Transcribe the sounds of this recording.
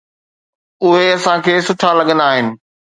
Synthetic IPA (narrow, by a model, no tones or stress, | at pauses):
ʊɦeɐsãkʰeːsʊʈʰalɐɠə̃nd̪aːɦɪnɪ̆